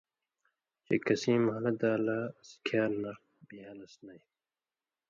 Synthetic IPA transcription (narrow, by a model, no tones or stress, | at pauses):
t͡ɕḛkɐsĩːmhɐlɐd̪aːlaskʰaːɾnɐ | biɦɐlɐsnɐj